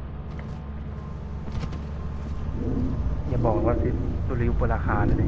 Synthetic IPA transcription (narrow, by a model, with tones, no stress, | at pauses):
ɲa˧˩bɔː˨˩k̚waː˧˨si˨˦t̚su˧˨la˧ju˧˦po˧˨la˧kʰaː˨˦n